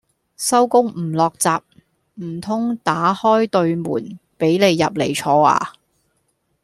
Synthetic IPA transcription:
sɐ˥wkʊ˥ŋm̩˨˩lɔː˨k̚t͡saː˨p̚ | m̩˨˩t̪ʰʊ˥ŋt̪aː˨˥hɔː˥jt̪ɵ˧ɥmṵː˨˩npe˨˥jle˨˧jːɐ˨p̚le˨˩jt͡ʃʰɔː˧a̰ː˧

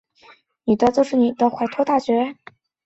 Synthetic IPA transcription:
ny˨˩t̪ə˥˧t͡so˥˧ʂɻ̩˥˩ni˨˩t̪ə˧˩xwa˧˥ɪt̪ʰwɔ˥t̪a˥˩ɕɥɛ˧˥˩

